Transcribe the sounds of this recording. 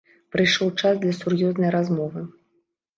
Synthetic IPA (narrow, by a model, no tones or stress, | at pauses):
pɾɨjʂɔwt͡ʂazd̪lʲɐsurjɔznɐjɾazmɔvɨ